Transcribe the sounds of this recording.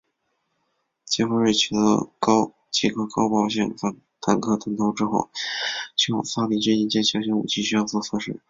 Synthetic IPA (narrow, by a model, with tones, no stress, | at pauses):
t͡ɕɛ˥xo˥˧ɻə˥˩t͡ɕʰy˧˥˩d̪ə̰˧kɑ˥ʊ | t͡ɕi˧˥˩kʰɤ˥kɑ˥ʊpɑ˨˧ʊɕjɛ̰˥˩ŋ˧˩ | t̪ʰa˧˥nkʰɤ˥˩t̪ɤ˧˥ŋt̪ʰo˧˥ʊʈ͡ʂɻ̩˥xo˥˩ʊt͡ɕʰy˥xo̰˥˩sa˥pi˨˩t͡ɕɛ˥˩i˧˥˩t͡ɕjɛ˥˩ɕʰjɑ˧˥ɕjɛ˧˥ṵ˨˩t͡ɕʰi˥˧ɕy˥jɑ˥˧ʊsɔ˥˩sɤ˥˧ʂɻ̩˥˩